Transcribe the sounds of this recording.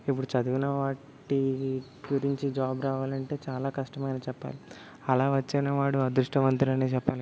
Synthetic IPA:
ip̬ːuɽut͡ʃɐd̪uɡunɐʋaː | ʈi | ɡuɾiɲt͡ʃid͡ʒaːbɾaːʋaːlɐɳʈe̞ːt͡ʃaːlaːkɐʂʈɐmɐjnɐːt͡ʃɛpːa̰ːli | ɐlaːʋɐt͡ʃːeːnɐʋaːɽuɐd̪ɾuʂʈɐmɐnt̪ɾiɐneːt͡ʃɛpːaːl

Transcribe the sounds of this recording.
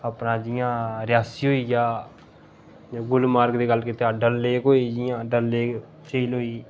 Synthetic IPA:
əpnãːd͡ʒɪjãːɾjaːsiːɦoːiːjaː | ɡʊlmaːɾkd̪eːɡəlːkɪt̪eaːɖəlːeːkɦoːiːd͡ʒɪjãːɖəlːeːk | t͡ʃəiːlɦoːiː

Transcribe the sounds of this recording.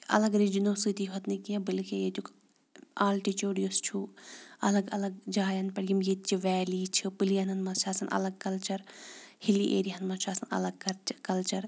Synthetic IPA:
ɐ̰lɐɡɾid͡ʒinoːsit̪iɦot̪nikiɐ̃bilkẽjet̪uk | aːlʈit͡ʃoːɽijost͡ʃʰuɐlɐɡɐlɐɡ̚d͡ʒaːjɐnpɐɽɡimjet̪t͡ʃʰiʋɛːliːt͡ʃʰɨpɨlijɐnɐnmɐt͡ʃʰaːsɐnʔɐ̰lɐɡ̚kɐlt͡ʃɐɾhiliʔḛːɾiɦɐnmɐt͡ʃʰaːsɐnɐ̰lɐɡ̚kɐɾkɐlt͡ʃɐɾ

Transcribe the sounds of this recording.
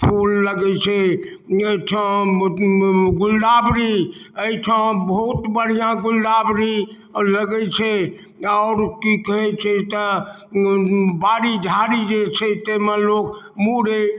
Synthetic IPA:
pʰolːəɡɛt͡ʃʰɛ | eʈʰã | ɡulɖ̪abɾiəiʈʰə̃bəɦut̪bəɽ̤ijãɡulɖ̪abɾi | ləɡɛt͡ʃʰɛ | ɔːɾkikəɦɛt͡ʃʰɛt̪ə | baɾid͡ʒʱaɾid͡ʒet͡ʃʰɛt̪emẽlok | muɾe

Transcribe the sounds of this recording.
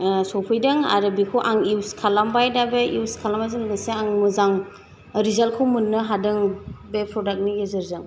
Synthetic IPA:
sɔwpʰɯjdɯŋa̰ɾɯbikʰuʔaŋiwskʰalambajdabeʔiwskʰalamazɯŋbaseaŋmɯzaŋ | ɾizalkʰɯwmunːɯɦadɯŋbepʰɾɔdak̚niɡezɯɾzɯŋ

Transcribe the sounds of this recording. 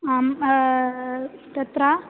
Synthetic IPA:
am | t̪ɐt̪ɾa

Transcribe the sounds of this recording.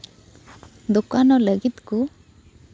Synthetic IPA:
d̪ukanɔləɡit̪ku

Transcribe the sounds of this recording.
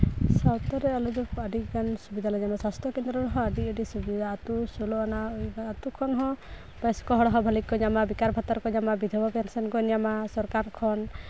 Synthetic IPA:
sawt̪ɔɾɛalɔd͡ʒɔkaɖikansubid̪ʱalaɲamasast̪ɾɔkend̪ɾɔɾɔɦɔ̃aɖiəɖisubid̪ʱaːt̪usolɔanaɔat̪ukʰɔnɦɔ̃ | bɛskɔɦɔɽɔɦɔbʱalikːɔɲamabikaɾbʱat̪ɔɾkɔɲamabid̪ʱɔbɔpɛnsɔnkɔnijamasɔɾkaɾkʰɔn

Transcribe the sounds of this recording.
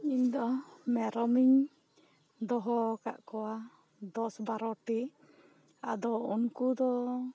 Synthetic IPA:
iɲd̪ɔmɛɾɔmiɲ | d̪ɔɦɔka̰ʔkɔwa | d̪ɔsbaɾɔʈi | a̰d̪ɔunkud̪ɔ

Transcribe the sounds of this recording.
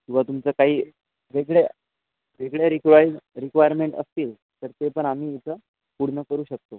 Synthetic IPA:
kĩw̃ʋ̤at̪umt͡səːkaɦiː | ʋeɡɭe | ʋeɡɭjaɾikʋajɾikʋajəɾmeɳʈə̰st̪iːl | t̪əɾt̪epəɳam̤iːit͡sə | puɽɳəkəɾuːɕək̚t̪o

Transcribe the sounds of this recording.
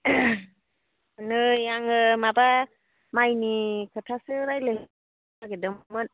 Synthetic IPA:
nɯjaŋɯmaba | majnikʰɯtʰasɯɾajlɯɦ | aɡedɯmɯn

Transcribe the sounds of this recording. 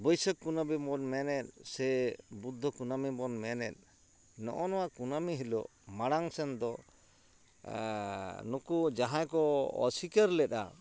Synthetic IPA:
bɔjsəkːunabimɔnmɛnɛt̪̚sɛbud̪ʱːɔkunamibɔnmɛnɛt̪̚ˀ | nɔ̰ʔɔnɔwakunamiɦilɔ̰ʔmaɽaŋsɛnd̪ɔ | nukud͡ʒaɦãjkɔɔ̰sikəɾlɛta̰

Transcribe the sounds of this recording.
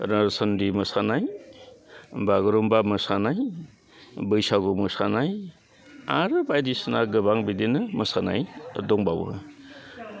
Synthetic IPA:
ɾasɔndimɯsanaj | baɡɾumbamɯsanaj | bɯjsaɡumɯsanaj | aɾɯbajdisɯnaɡɯbaŋbidinɯmɯsana̰jdɔŋbawɯ̰

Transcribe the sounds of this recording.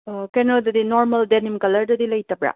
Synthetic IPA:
kenɔdɐdinoɾmɐldenimkɐlɐɾdɐdilɐjtɐbɾa̰

